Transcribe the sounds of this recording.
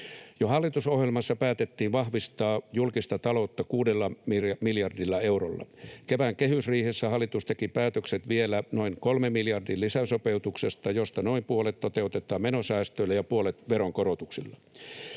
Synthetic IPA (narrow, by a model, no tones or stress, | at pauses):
johɑlːit̪usohjelmɑsːɑpæːt̪et̪ːiːʋʋɑhʋist̪ɑːjulkist̪ɑt̪ɑlot̪ːɑkuːdelːɑmimiljɑrdilːɑewrolːɑ̰keʋæŋkehysriːhesːæhɑlːˑit̪ust̪ekipæːt̪økset̪ʋielænoiŋkolmemːiljɑrdiːllisæsopeut̪uksest̪ɑjost̪ɑnoimpuolet̪ːot̪eut̪et̪ːˑɑːmmenosæːst̪øilæjɑpuolet̪ʋeɾoŋkoɾot̪uksilːɑ